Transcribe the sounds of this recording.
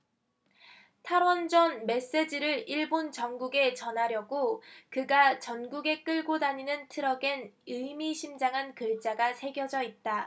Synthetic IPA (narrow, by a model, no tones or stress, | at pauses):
tʰaɾwʌnd͡ʑʌnme̞s͈e̞d͡ʑiɾɯɾiɭbont͡ɕʌnɡuɡe̞t͡ɕʌnɦaɾjʌɡokɯɡat͡ɕʌnɡuɡe̞k͈ɯɭɡodaɲinɯntʰɯɾʌɡe̞nɯmiɕʰimd͡ʑaŋɦankɯɭt͡ɕ͈aɡasʰe̞ɡjʌd͡ʑʌit̚t͈a